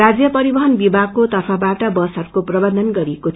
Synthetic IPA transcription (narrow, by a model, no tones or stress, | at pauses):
ad͡zjʌpʌɾibʌɦʌnbibʱaɡ̚kot̪ʌpʰabaʈʌbʌsʌrkoprʌbʌnd̪ʱʌnɡʌɾieko